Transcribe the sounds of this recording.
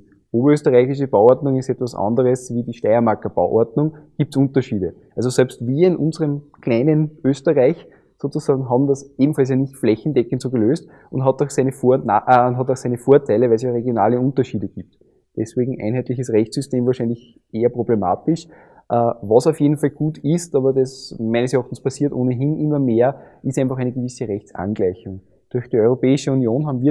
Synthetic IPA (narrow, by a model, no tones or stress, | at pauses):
ʔoːbɐøːstəʁæɪçɪʃəbaʊɔɐtnʊŋɪstɛtvɐsʔɑ̰̃ndəʁəsviːdiːʃtæɪɐmaɐkɐb̥a̰ʊʔɔ̰ɐdnʊŋɡ̥iːp̚tsʊ̃ntɐʃiːdəʔalsosɛlpstv̥iːɐɪnʔʊ̰̃nzəʁəmkʰlæɪnənʔøːstəʁaɪç | soːt͡susɑːɡŋ̩ɦɑːbm̩dɐsʔeːbm̩fals̬jaːnɪçtflɛçn̩dɛkəntsoːɡəløːst | ʔʊntɦɑtɑʊxsæɪnəfaʔnɦɑtɑʊxsæɪnəfoːɐtʰæɪləvæɪls̬jaʁeɡjona̰ːləʊ̃ntɐʃiːdəɡ̥iːp̚t | d̥ɛsveːɡŋ̩ʔæ̰ɪnɦæɪtlɪçəsʁɛçt͡sːysteːmvaːɐʃɛɪnlɪç | ʔeːɐpʁ̥oblema̰ːtɪʃ | ʔəvɑsaʊfjeːdn̩falɡ̥uːtɪstɑːbɐdɑsmæɪnəsɛɐɑːχtn̩spʰasiːɐtʔoːnəɦinʔɪmːɐmeːɐɪstæɪnfɑχæɪnəɡəvisəʁɛçt͡sʔa̰nɡ̥læɪçʊŋ | d̥ʊɐxd̥iːɔʏʁopɛːɪʃəunjoːnɦaːbmviː